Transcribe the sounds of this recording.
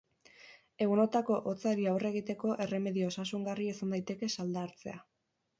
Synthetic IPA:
e̞ɣuno̞t̪ako̞ʔot͡saɾiawre̞ɣ̞it̪e̞ko̞ʔe̞re̞me̞ðio̞sasuŋɡariesand̪ajt̪e̞ke̞sald̪aːɾt͡se̞̰a

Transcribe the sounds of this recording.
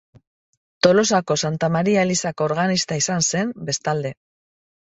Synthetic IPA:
t̪o̞lo̞sako̞sant̪amaɾiaelisakooɾɣanist̪aisanse̞mbe̞st̪ald̪e̞

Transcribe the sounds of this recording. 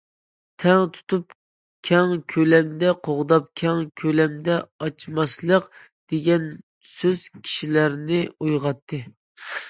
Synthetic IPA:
t̪ʰɛŋt̪ʰu̥t̪ʰup̚ | kʲʰɛŋkʲʰølɛmd̪ɛqʰoʁd̪ɑp̚kʲʰɛŋkʲʰølɛmd̪ɛɑt͡ʃʰmɑslˠəq | d̪̥eɡʲɛn | søz̥kʲʰi̥ʃilæɾnɪujʁɑt̪ʰːɨ

